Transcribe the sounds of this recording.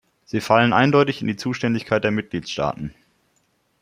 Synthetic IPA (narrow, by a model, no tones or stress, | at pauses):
z̥iːfalənʔa̰ɪndɔʏtɪçɪndiːt͡suːʃtɛndɪçkʰaɪt̚d̥eːɐmɪt̚ɡ̥liːtsʃta̰ːtn̩